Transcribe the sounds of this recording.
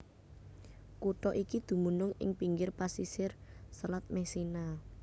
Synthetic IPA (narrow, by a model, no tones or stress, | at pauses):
kuʈɔʔikid̪̥ṳmunʊŋɪ̰ŋpiŋɡɪrpasisɪrsəlat̪̚mɛsina